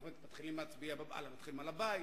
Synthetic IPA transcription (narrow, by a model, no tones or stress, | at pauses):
et̪mat̪χilimat͡sbiababa̰lamat̪χilimalabai